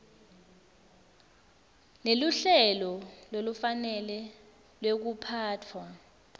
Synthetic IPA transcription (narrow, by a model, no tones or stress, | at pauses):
neluɬɛlɔlolufanɛlɛ | lwek̬upʰaːtʰwa